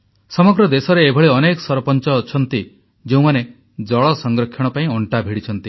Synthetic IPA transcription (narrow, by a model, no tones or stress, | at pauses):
sɔmɔɡɾɔd̪esɔɾeːbʱɔɭiɔnekɔsɔɾɔpɔnt͡ʃɔːt͡ʃʰɔnt̪i | d͡ʒeũmane | d͡ʒɔɭɔsɔŋɡɾɔkʰːjɔɽ̃ɔpaĩɔɳʈabʱiɽit͡ʃʰɔnt̪i